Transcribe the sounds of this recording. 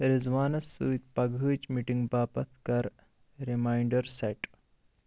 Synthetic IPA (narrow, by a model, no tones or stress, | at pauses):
ɾizʋaːnɐsːut̪̚pɐɡʱɨːt͡ʃmiʈiŋɡbaːpɐt̪ʰkɐɾ | ɾimaːjɳɖɐɾsɐʈ